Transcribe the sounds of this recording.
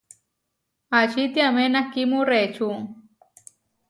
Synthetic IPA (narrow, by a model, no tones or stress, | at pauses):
at͡ʃit̪jamenakimuret͡ʃuŋ